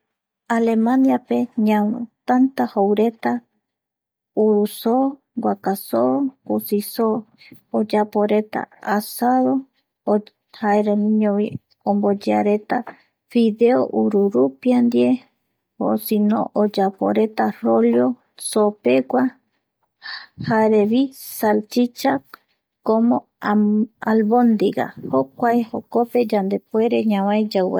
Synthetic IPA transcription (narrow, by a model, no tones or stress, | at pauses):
alemãnjapeɲãwt̪ant̪ahowɾe̞t̪a | uɾuso | ɡʷakasokosisoː | d͡ʒapoɾe̞t̪a̰asaðo | haeɾemĩɲõwi | õmbod͡ʒeaɾe̞t̪a | fiðeoʔuɾuɾupiand̪ie | o̰sinõ̰ʔod͡ʒapo̰ɾe̞t̪aroljo | sope̞kʷa | haeɾeβisalt͡ʃit͡ʃa | komõ | alβond̪iɡa̰hokʷaehokope̞d͡ʒand̪e̞pweɾeɲãwajd͡ʒawḛ